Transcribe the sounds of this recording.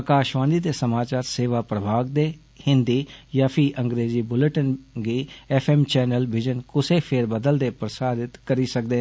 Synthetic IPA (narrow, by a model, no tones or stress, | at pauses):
əkaːʃʋãːnd̪iːd̪eːsəmaːt͡ʃaːɾseːʋaːpɾəbʱaːɡ̚d̪eː | hɪ̃nd̪iːjaːpʰiʔə̃ŋɡɾeːziːbʊləʈənɡiːɛpʰɛːmt͡ʃɛːnəlʋɪd͡ʒənkʊseːpʰeɾbəd̪əld̪eːpɾəsaːd̪ɪt̪kəɾiːsək̚d̪eː